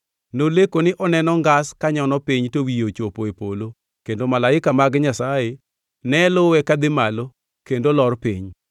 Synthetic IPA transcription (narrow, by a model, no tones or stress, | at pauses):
nolekonɪʔɔnɛnɔŋɡaskaɲɔnɔpiɲtowijot͡ʃopoepolo | kendomalaɪkamaɡɲasaje | nɛlʊwɛkad̪ɪmalo | kendolɔrpḭɲ